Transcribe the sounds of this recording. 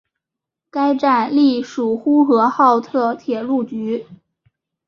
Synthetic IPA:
ka˥ɪʈ͡ʂa˥˩nli˥˩ʂu˨˩xu˥xɤ˧˥xɑ˥˧ʊt̪ʰɤ˥˩t̪ʰjɛ˨˩lu˥˩t͡ɕy˧˥

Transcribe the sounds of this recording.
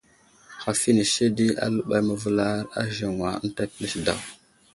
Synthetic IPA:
xa˨fi˦ni˨se˦di˦a̰˦lu˦ɓa˦jmə˨vu˦la˦ɾa̰˦ʒə˨ŋwa˨˦n˦ta˦pi˦li˦sda̰˨w

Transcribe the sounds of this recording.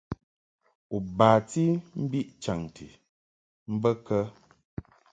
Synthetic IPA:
u˨baː˨ti˦m̩˦bi˦ʔt͡ʃa˨ŋtḭ˨ | m̩˦bə˦kə˦

